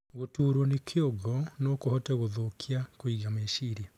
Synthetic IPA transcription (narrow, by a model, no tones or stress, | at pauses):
ɣotuːɾɔnekʰeoɣɔnokohɔtɛɣoðokʰiakoiɡameʃiːɾia